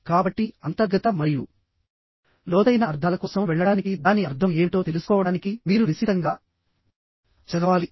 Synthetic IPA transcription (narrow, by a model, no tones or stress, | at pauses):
kaːbɐʈːiɐnt̪ɐɾɡɐt̪ɐmɐɾiju | lɔːd̪ɐjnɐɐɾd̪ʱaːlɐkɔːsɐmʋɛɭːɐɽaːnikid̪aːniɐɾd̪ʱɐme̞ːʋiʈo̞ːt̪e̞lusu̥kɔːʋɐɽaːnikiʋiːɾunisit̪ɐŋɡaː | t͡ʃɐd̪ɐʋaːli